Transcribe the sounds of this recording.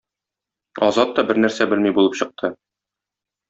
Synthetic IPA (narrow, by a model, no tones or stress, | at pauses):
ɒ̰zɑt̪ːɒbɘɾnæɾsæbɘlmibulˠɤpɕɤ̆q̚t̪ʰɤ